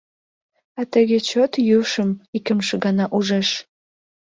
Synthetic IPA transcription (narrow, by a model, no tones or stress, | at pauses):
ɑt̪əɣet͡ɕot̪jyʃəmikəmʃəɣɑnɑʔuʒeʃ